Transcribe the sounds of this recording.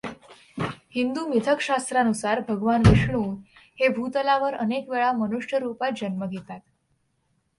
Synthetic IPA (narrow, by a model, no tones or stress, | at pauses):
hind̪umit̪ʰəkɕast̪ɾanusaɾbʱəɡʋanʋiʂɳuːhebʱut̪əlaʋəɾənekʋeɭamənuʂjəɾupat̪̚d͡ʑənməɡʱet̪at̪